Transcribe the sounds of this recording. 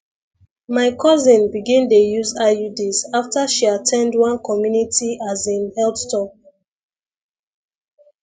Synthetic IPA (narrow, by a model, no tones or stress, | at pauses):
maɪkʰɔzĩnbiɡĩndejuzajudizaftaʃiatʰɛ̃ndwʌ̃nkʰɔmjunitʰiʔazĩnhɛlpstɔp̚